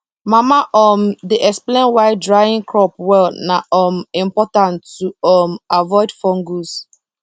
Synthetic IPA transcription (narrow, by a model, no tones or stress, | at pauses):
mamaʔɔmdeʔɛksplẽnwaɪdɹajĩŋkɹɔpwɛlnaɔmĩmpɔtãntuɔmavɔɪdfɔ̃ŋɡus